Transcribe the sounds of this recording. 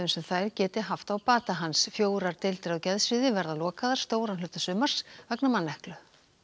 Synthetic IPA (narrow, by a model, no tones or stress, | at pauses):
ʏnsɛmθajɾcɛːt̪ɪɦaft̪awpaːt̪aɦansfjoːwɾaɾt̪ɪlt̪ɪɾawcɛðsvɪðɪvɛɾðalɔːkaðaɾ̥st̪oːwɾanlœːt̪asʏːmaɾ̥svɛknamanːɛhklʏ